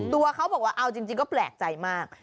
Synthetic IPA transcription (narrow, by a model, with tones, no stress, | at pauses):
t̪u˧ɐkʰa˦˥wbɔː˨˩k̚waː˦˥˩ʔa˧˩wt͡ɕi˧ŋt͡ɕi˧ŋk̬ɔː˥˩plɛː˨˩k̚t͡ɕa˧jmaː˥˩k̚